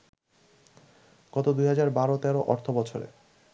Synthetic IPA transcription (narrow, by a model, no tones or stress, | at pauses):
ɡ̥ɔt̪od̪ujɦad͡ʑaɾbaɾot̪ɛɾoʔɔɾt̪ʰobɔt͡ɕʰoɾḛ